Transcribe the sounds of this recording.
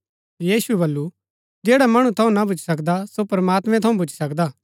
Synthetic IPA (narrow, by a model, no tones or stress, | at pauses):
jiːsuɛbɐlːu | d͡ʒeːɽamɐɽ̃ũt̪ʰɐũnabʊt͡ʃʰsɐkd̪asopɾmaːt̪mɛ̃t̪ʰɐũbʊt͡ʃʰsɐkd̪aː